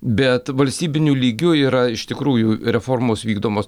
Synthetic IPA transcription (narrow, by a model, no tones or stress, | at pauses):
bʲɛt̪ʋɐlʲsʲt̪ʲiːbʲɪnʲuːlʲiːɡʲʊiːɾɐɪʃt̪ʲɪkɾuːjʊɾʲɛfoːrmoːsʋʲiːɡd̪oːmoːs